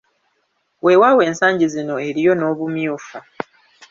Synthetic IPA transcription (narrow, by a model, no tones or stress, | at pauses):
we̞wawe̞ːnsaːɲɟizino̞e̞ɾijo̞no̞ːβumjuːfa